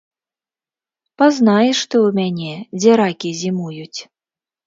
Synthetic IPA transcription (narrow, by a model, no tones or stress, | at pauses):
paznajɛʂt̪ɨwmʲanʲɛd͡zʲɛɾakʲizʲimujut͡sʲ